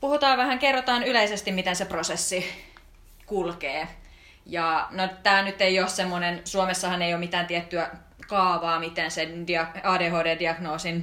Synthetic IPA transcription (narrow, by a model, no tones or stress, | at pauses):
puhut̪ɑːʋʋæhæŋkerːot̪ɑːnyleisest̪imit̪enseprosesːi | kulkeː | jɑnot̪æːlnyt̪ːeioːssemːonensuomesːɑhɑneijoːmit̪æːnt̪iɛt̪ːyæ | kɑːʋɑːmit̪ensendiɑɑːdeːɦoːdeːdiɑɡnoːsin